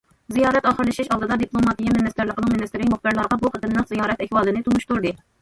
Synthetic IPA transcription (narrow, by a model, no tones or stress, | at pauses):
zijɑːɾɛt̪ɑːχəɾlˠɪʃiʃɑlˠd̪ɨd̪ɑd̪iplˠomɑt̪ijɛmɪnɪst̪ɪɾlˠəqʰənɨŋmɪnɨst̪ɪɾɪkʲmʊχbɨɾlˠɑɾʁɑbuχət̪ɨnːɨqzijɑːɾɛt̪ɛxwɑːlˠɨnɪt̪ʰunuʃt̪uɾd̪ɨ